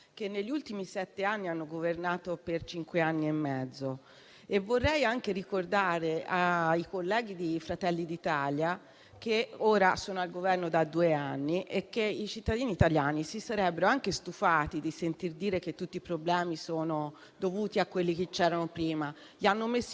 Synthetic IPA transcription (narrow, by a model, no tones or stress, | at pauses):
kenːeʎːiult̪imisɛt̪ːeanːianːoɡovernaːt̪opert͡ʃiŋkweanːiemːɛd̪zːo | evːorːɛjaŋk̟eɾikord̪aːɾeaikolːɛːɡ̟id̪efɾat̪ɛlːid̪it̪aːlja | k̟eoːɾasoːnoalɡovɛrnod̪ad̪ːuːeanːiʔekːeit͡ʃit̪ːad̪iːniːt̪aljaːnisisaɾɛbːeɾoaŋkest̪ufaːt̪id̪isent̪ird̪iːɾek̟et̪ːut̪ːipɾoblɛːmisoːno | d̪ovuːt̪iakwelːik̟et͡ʃːɛːɾanopɾiːma | ʎanːomesː